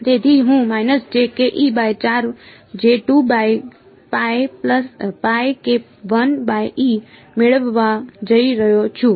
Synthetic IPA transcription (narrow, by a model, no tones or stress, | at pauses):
t̪et̪ʰiɦũmajnəsd͡ʒekeʔibajt͡ʃaɾ | d͡ʒeʈubaj | pajpləspajke | ʋənbaji | meɭəʋːad͡ʒəiɾəɦjot͡ʃʰũ